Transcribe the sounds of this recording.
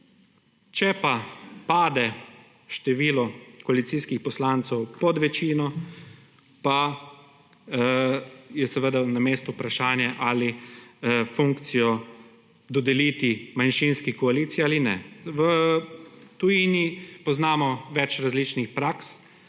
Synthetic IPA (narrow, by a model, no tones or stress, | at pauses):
t͡ʃɛpapaːd̪ɛ | ʃt̪ɛʋiːlɔkɔalit̪siːskixpɔslaːnt̪sɛwpɔd̪ʋɛt͡ʃiːnɔ | pa | jɛsɛʋəd̪anameːst̪uːpɾaʃaːnjɛʔali | fuŋkt̪sijɔ | d̪ɔd̪ɛlit̪imanʃinskikɔaliːt̪sialinɛ̰ʋə | t̪ujiːnipɔznaːmɔʋɛt͡ʃɾazlit͡ʃnixpɾaːks